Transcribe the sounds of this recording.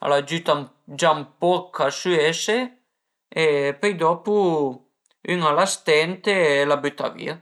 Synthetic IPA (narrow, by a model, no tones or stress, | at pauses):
a̰lad͡ʒyt̪am | d͡ʒampɔkʰːasyese | epøjd̪ɔpu | yŋalast̪ɛnt̪elabyt̪a̰vḭa